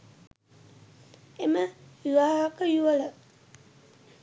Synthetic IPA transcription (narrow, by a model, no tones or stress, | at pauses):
eməʋiʋaɦakəjuələ